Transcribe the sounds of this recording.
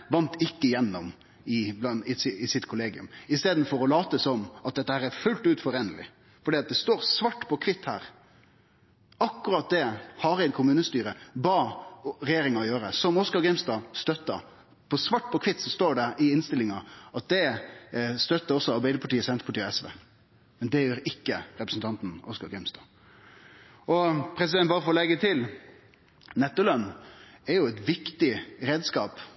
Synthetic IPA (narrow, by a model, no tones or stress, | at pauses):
ʋɑnt̪ɪkːəjɛnːɔm | ɪblɑnɪsɪɪsɪt̪kʰʊleːɡɪʉ̰mɪst̪eːd̪n̩fɔɾɔlɑːt̪əsɔmɑt̪̚d̪ɛt̪ːəhæːɾæɾfʉlt̪ʉːt̪fɔɾeːnəlɪ̰ | fɔɖiːɑt̪̚d̪ɛst̪oːɾsʋɑʈːpʰɔkʰʋɪt̪ːhæ̰ːɾ | ɑkːʉɾɑt̪̚d̪ɛhɑɾæɪnkʰʊmʉːnəst̪yːɾəbɑːɾɛjeːɾɪŋɑɔjøːɾəsɔmɔskɑɾɡɾɪmst̪ɑːst̪œt̪ːɑ̰ | pʰɔsʋɑʈːpʰɔkʰʋɪt̪ːsɔst̪oːɖɛɪɪnst̪ɪlɪŋɑʔɑt̪̚d̪ɛ | st̪œt̪ːəɾɔsːɔɑɾbæɪd̪əpʰɑʈiːəsɛnt̪əpʰɑʈiːɛsʋḛː | mɛnd̪ɛjøːɾɪkːəɾɛpɾəsn̩t̪ʰɑnt̪n̩ɔskɑɾɡɪmst̪ɑ̰ː | ɔpʰɾɛsɪd̪ɛnbɑːɾəfɔɾɔlɛɡət̪ʰɪl | nɛt̪ːəlœnːɛɾjʊɛt̪ʋɪkt̪ɪɾeːd̪skɑ̰ːp